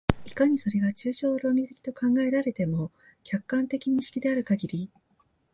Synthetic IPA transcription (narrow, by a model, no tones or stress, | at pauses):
ikaɲ̟iso̞ɾe̞ɡat͡ɕɨːɕo̞ːɾo̞ːmʲit̪ekʲi̥t̪o̞kãŋɡae̞ɾaɾe̞t̪e̞mo̞ | kʲakːãnt̪e̞kʲiɲ̟iɕi̥kʲid̪e̞aɾɯ̟kaɡʲiɾʲi